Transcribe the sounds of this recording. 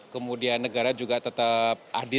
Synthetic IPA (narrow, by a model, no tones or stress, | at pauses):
kəmudianːəɡaɾad͡ʒuɡat̪ət̪ap̚ʔadɪ